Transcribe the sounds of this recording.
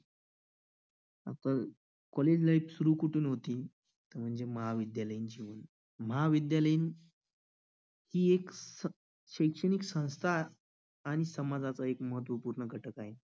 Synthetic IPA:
a̰t̪a | kɔled͡ʑlajpsuɾuːkuʈʰuːnɦot̪iː | t̪əɾm̤əɳd͡zeməɦaʋid̪jaləjind͡ʑiʋən | məɦaʋid̪jaləin | hiːeksə | ɕəjkʂəniksə̃w̃st̪ʰaː | ɽ̃isəmad͡zat͡səekməɦət̪̬ʋəpuːɾɳəɡʱəʈʰəkaɦe

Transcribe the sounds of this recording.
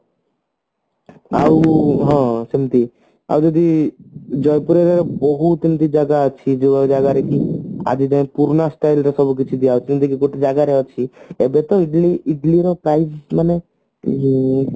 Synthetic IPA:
a̰uɦɔ̃simt̪i | a̰ud͡ʒɔd̪i | d͡ʒɔjpuɾeɾeɾɔbɔɦusimt̪id͡ʒaɡat͡ʃʰid͡ʒoad͡ʒaɡaɾekia̰d͡ʒid͡ʒɔ̃puɾnasʈailɾesɔbʱuk̬it͡ʃʰid̪ijaɔt͡ʃʰimt̪ikikoʈid͡ʒaɡaɾeɔt͡ʃʰiebet̪ɔɪʈliɪʈliɾɔpɾaismane

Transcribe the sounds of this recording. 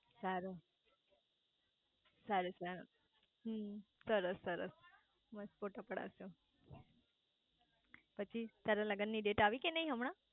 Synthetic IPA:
saɾu | saɾusaɾ | ɦmsəɾəsːəɾə̰s | məspoʈapəɽa̰əso | pət͡ʃʰit̪aɾaləɡənːiːɖeʈaʋikinaɦiɦəmɽ̃ã

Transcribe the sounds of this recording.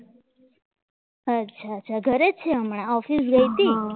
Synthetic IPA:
ətːɕʰat͡ʃʰaɡʱəɾet͡ʃʰeəmɳãɔfis̬ɡəjt̪i

